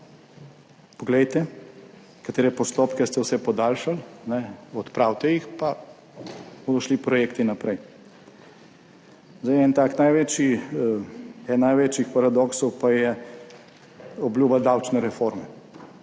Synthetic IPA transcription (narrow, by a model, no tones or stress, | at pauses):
pɔɡlɛjt̪ɛ | kat̪eːɾɛpɔst̪oːpkɛst̪ɛwsɛpɔd̪aːlʃalnɛɔt̪pɾawt̪ɛjixpa | b̥oːd̪ɔʃlipɾɔjeːkt̪inapɾɛj | zajɛnt̪aːknajʋeːt͡ʃi | ɛnnajʋet͡ʃixpaɾad̪ɔksɔwpajɛ | ɔbljuːbad̪awt͡ʃnɛɾɛfoɾmɛ